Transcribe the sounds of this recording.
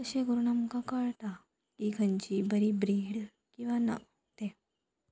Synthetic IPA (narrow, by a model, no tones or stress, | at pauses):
əɕeɡuɾuɳamkãkəɭt̪a | kiɡʰʱəɲt͡ɕibəɾibɾiɽ | kĩw̃ʋanə̰ | t̪e